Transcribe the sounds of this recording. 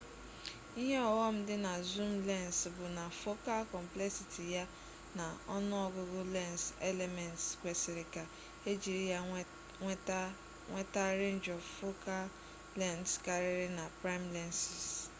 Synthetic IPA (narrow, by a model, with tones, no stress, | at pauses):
i˦ɦe˦ɔ˨wɔ˦m̩˦dɪ˦na˨zu˦mle˦˨nsbʊ˨na˨fo˦ka˦lkɔ˨m̩˨ple˦ksi˨tʰi˨ja˦ | na˨ɔ˦nʊ˦ɔ˦ɡʊ˦ɡʊ˦le˦˨nse˦le˨mɛ˨ntskʷe˨sɪ˨ɾɪ˨ka˨ | e˦d͡ʒi˨ɾi˦ja˦ | ŋʷe˦ta˦ɾe˦n˦d͡ʒɔ˨fo˦ka˦ | lɛ˦˨ntska˨ɾɪ˦ɾɪ˦na˨pɾa˦ɪ˦mle˦nsi˨s